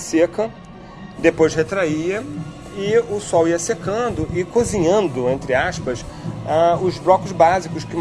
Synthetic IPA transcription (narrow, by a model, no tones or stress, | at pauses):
sekɐ | d̪epojʃhet̪ɾaiɐ | ɪʊsɔwiɐsekɐ̃d̪ʊʔɪkoziɲɐ̃nd̪ʊẽnt̪ɾɪaʃpɐʃ | aʊzbɾɔkʊzbazikʊʃkɪm